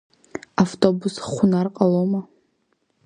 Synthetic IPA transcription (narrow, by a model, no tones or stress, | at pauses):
aftʰʼobusχʷʊnarqʼaloma